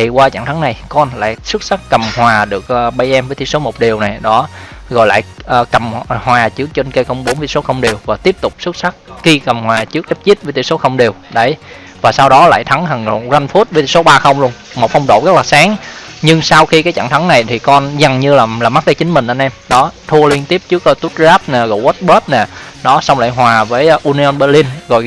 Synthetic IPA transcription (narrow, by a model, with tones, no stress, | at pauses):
t̪ʰi˨˩kwaː˧t͡ɕa̰˧˩˨ŋt̪ʰa˨˦ŋna˨˩jkɔ˧nla̰ː˧˨jsɨ˦˥t̚sa˦˥k̚kə˨˩mhwaː˨˩ɗɨ˨˩ək̚ʔːɓa˧jʔɛ˧mvəː˨˦jt̪i˧˥so˨˦mo˨˩t̚ɗi˨˩əwna˨˩jɗɔ˨˦ | ɣɔ̰˧˨jla̰ː˧˨jʔəː˨˩kə˨˩mhwaː˨˩t͡ɕɨ˦˥ək̚t͡ɕe˧nkə˧jkə˧wŋ͡mɓo˨˦nvi˧˩so˨˦xə˧wŋ͡mɗi˨˩əwvaː˨˩t̪i˦˥əp̚t̪ʊ˨˩k͡p̚sɨ˦˥t̚sa˦˥k̚xi˧kə˨˩mhwaː˨˩t͡ɕɨ˦˥k̚ɗ̪e˦˥p̚zi˦˥t̚və˨˦t̪ʰi˧˩˦so˨˦xə˧wŋ͡mɗi˨˩əwɗə˨˦j | vaː˨˩saː˧wɗɔ˨˦la̰ː˧˨jt̪ʰa˨˦ŋɦə˨˩ŋo̰˨˩za˧nfu˦˥t̚vəː˨˦t̪ḭ˧˨˩so˨˦ɓaː˧xə˧wŋ͡mlu˧ən | mo˨˩fə˧wŋ͡mɗo̰˧˩ɣə˦˥k̚laː˨˩saː˨˦ŋɲɨ˧ŋsa˧wxi˧kaː˨˦jt͡ɕa̰˧˩˨ŋt̪ʰa˨˦ŋna˨˩jt̪ʰi˨˩kɔ˧nza˨˩ŋɲɨ˧laː˨˩laː˨˩ma˦˥t̚t͡ɕəː˨˦t͡ɕï˨˦ŋ̟mï̟˨˩ʔə˧nʔɛ˧mɗɔ˨˦t̪ʰu˧əli˧ənt̪i˦˥p̚t͡ɕɨ˦˥əkːt̪u˦˥t̚zaː˦˥p̚naː˨˩ɣo̰˧˩wə˦˥t̚ɓəː˦˥t̚naː˨˩ | ɗɔ˨˦sa˧wŋ͡mla̰ː˧˨jɦwaː˨˩vəː˨˦jʔu˧ni˧ɔ˧nɓəː˧li˧nɣɔ˨˩j